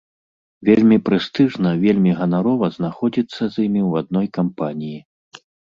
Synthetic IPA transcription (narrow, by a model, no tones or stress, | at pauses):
vʲelʲmʲipɾɨst̪ɨʐnɐvʲelʲmʲiɣɐnaɾɔvɐznaxɔd͡zʲit̪sːɐzʲimʲiwad̪̚nɔjkampanʲiji